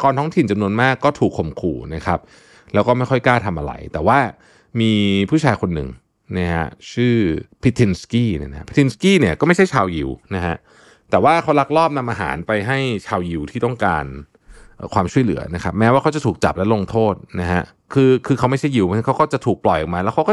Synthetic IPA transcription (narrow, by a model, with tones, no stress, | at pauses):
kɔː˧nt̪ʰɔː˦˥ŋt̪ʰi˨˩nt͡ɕa˧mnu˧ənmaː˥˩kːɔː˥˩t̪ʰuː˨˩kʰːo˨˩mkʰṵː˨˩na˦˥kʰa˦˥p̚ | lɛː˦˥wkɔː˥˩ma˥˩jkʰɔ˥˩jkaː˥˩t̪ʰa˧mʔa̰˧ɾa̰˧˩jt̪ɛː˨˩waː˥˩ | miː˧pʰuː˥˩t͡ɕʰaː˧jkʰo˧nːɯ̰˨˩ŋ | na˦˥ɦa̰˦˧˥t͡ɕʰɯː˥˩pʰi˦˧˥t̪ʰi˧nskiː˥˩n̰˥˩n˦a˧˥pʰi˦˥t̪ʰi˧nskiː˥˩ni˥˩ɐkɔ˥˩ma˥˩jt͡ɕʰjt͡ɕʰaː˧wji˨˩wna˦˥ɦa˦˥ʔ | t̪ɛː˨˩waː˥˩kʰa˦˥wla˦˥k̚lɔː˥˩p̚na˧mʔaː˧ɦa̰ː˩˦npa˧jɦa˥˩jt͡ɕʰaː˧wji˨˩wt̪ʰiː˥˩ɔ˥˩ŋkaː˧n | ʔɤː˨˩kʰwaː˧mt͡ɕʰu˥˩əjlɯ̰˩˦ɐna˦˥kʰa˦˥p̚mɛː˦˥waː˥˩kʰa˦wt͡ɕa˨˩t̪ʰuː˨˩t͡ɕa̰˨˩p̚lɛ˦˥lo˧ŋt̪ʰoː˥˩t̪̚na˦˥ɦa˦˥ | kʰɯː˧kʰɯː˧a˦˥wma˥˩jt͡ɕʰa˥˩ji˨wma˧a˦˥kʰa˦˥wkɔː˥˩t͡ɕa˨˩t̪ʰuː˨˩k̚plɔ˨˩jʔɔ˨˩maː˧lɛː˦˥wkʰa˦˥wkɔː˥˩